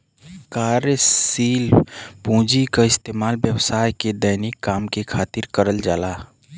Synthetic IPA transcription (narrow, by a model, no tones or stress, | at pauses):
kaːɾəsiːlpũːd͡ʒikaɪst̪eːmaːlbjəwsaːjked̪ənɪkːaːmkekʰaːt̪ɪɾkəɾəld͡ʒaːlaː